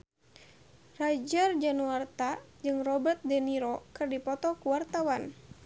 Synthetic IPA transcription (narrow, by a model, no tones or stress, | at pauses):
rad͡ʒard͡ʒanuart̪ad͡ʒɨŋrɔbərt̪̚dɛniɾɔkɨrdipɔt̪ɔkuwart̪awan